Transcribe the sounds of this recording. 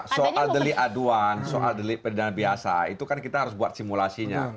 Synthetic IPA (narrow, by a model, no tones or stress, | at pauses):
soʔaldəliʔaduansoʔa̰ldəlipədidanbiasa̰it̪ukankit̪aɦaɾʊs̬buat̪̚simulasiɲa̰